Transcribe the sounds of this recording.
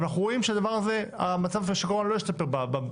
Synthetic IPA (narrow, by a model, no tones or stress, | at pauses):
anaχuʁo̞imʃead̪avaʁaze̞a̰mat͡savʃeʃikoʁanlojist̪ape̞ʁbaba